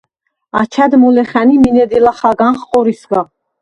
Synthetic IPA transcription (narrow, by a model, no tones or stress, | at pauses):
at͡ʃʰad̪mɔlɛχæniminɛd̪ilaχaɡanχqʼɔɾisɡa